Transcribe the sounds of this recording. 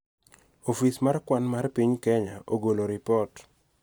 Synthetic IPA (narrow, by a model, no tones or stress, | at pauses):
ofismarkwanmarpiɲkɛɲaʔoɡoloɾɪpɔt